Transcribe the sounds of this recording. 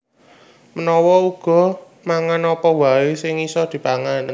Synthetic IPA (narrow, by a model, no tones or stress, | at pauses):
mənɔwɔuɡ̥ɔ̤ | maŋanɔpɔwaesɪŋisɔd̪̥i̤paŋan